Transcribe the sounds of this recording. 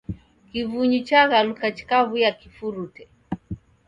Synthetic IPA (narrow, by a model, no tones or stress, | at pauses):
kivuɲut͡ʃaɣalukat͡ʃi̥kavujakifuɾutɛ